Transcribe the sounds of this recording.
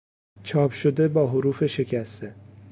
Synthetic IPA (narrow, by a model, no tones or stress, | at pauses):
t͡ʃʰɒːpʃod̪e̞bɒːɦoɾuːfe̞ʃe̞cʰæst̪e